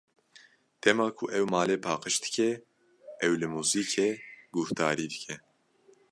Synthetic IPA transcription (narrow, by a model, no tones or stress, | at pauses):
t̪ʰɛmɑːkʰʊʔɛwmaːleːpʰaːqəʃd̪ɨ̥kʰɛ | ɛwlɨmuːziːkʰeːɡ̥uht̪aːɾiːd̪ɨkʰɛ